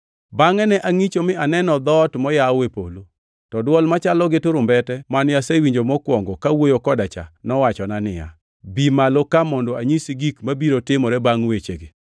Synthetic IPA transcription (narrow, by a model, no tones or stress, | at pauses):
baŋɛnɛʔaŋit͡ʃomɪanɛnɔd̪ɔtmɔjawepo̰lu | tɔdwɔlmat͡ʃalɔɡɪtʊɾʊmbɛtɛmanjasewiɲd͡ʒomɔkwɔŋɡɔkawojokɔdat͡ʃa̰nɔwat͡ʃɔnanɪ̰ja̰ | bimalokamɔndɔaɲisiɡikmabiɾotɪmɔɾɛbaŋwet͡ʃeɡɪ